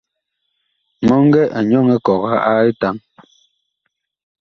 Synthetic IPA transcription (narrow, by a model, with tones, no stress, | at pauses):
mɔ˦ŋ˦ɡɛ˦ʔa˨ɲɔ˦˨ŋɛ˦kɔ˨ka˦a˦i˦ta˨˦ŋ